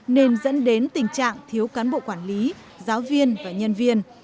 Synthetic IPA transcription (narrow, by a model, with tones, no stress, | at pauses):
ne˧nzə̰˧˥nɗe˨˦nt̪ï˨˩ŋ̟t͡ɕa̰ː˧˨ŋt̪ʰi˨˦əwkaː˨˦nɓo̰˧˨kwaː˧˩nli˨˦ | zaː˨˦wvi˧ənvaː˨˩ɲə˧nvi˧ən